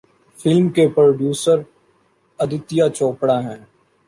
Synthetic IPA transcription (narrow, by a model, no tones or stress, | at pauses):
fɪlmkepɾoːɖjuːsəɾ | ɐd̪ɪt̪ijat͡ʃoːpɽaɦɛ̃ː